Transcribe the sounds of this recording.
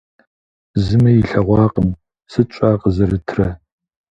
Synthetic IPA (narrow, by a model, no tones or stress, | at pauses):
zɨmɐjɪɬɐʁʷɑːqʼəm | sɨt͡ʃʷʼaːqəzɐrɨtʰrɐ